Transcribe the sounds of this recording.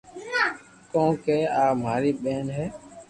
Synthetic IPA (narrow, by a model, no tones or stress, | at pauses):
kõːkeːaːmaːɾiːɓeːnɦɛː